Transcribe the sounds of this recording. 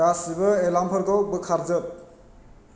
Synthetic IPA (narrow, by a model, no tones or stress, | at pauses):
asibɯelampʰəɾɡɔbɯkʰaɾd͡ʒɯp̚